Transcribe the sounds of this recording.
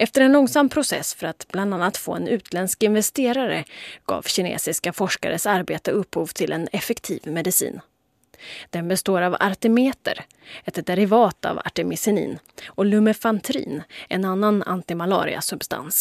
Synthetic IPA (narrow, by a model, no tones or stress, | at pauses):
ɛft̪əɾɛnlɔŋsampʰɾʊsɛ̰sfœɾat̪bland̪anːat̪fo̰ːɛnʉ̟ːt̪ʰlɛnskɪnvɛst̪eːɾaɾəɡ̥ɑ̰ːvɕɪnḛːsɪskafɔʂka̰ɾəsaɾbeːt̪əɵphuːvt̪ʰɪlʔɛnɛfɛkt̪ʰḭːvmɛd̪ɪsḭːn | d̪̥ɛnbɛst̪oːɾava̰ɾt̪ɛmeːt̪ə̰ɾ | ɛt̪d̪ɛɾɪvɑːt̪a̰va̰ʈɛmɪsɪnḭːn | ɔlɵmɛfant̪ʰɾḭːnɛnanːana̰nt̪ɪmalɑ̰ːɾɪ̰a̰sɵbst̪a̰ns